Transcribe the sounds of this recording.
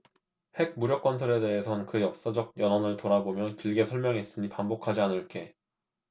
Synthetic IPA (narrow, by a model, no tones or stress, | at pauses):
he̞ɡ̚muɾjʌk͈wʌnsʰʌɾe̞de̞ɦe̞sʰʌnkɯjʌk̚s͈ad͡ʑʌɡ̚jʌnɦʌnɯɭtoɾabomjʌnkiɭɡe̞sʰʌɭmjʌŋɦes͈ɯɲipambokʰad͡ʑianɯɭk͈e̞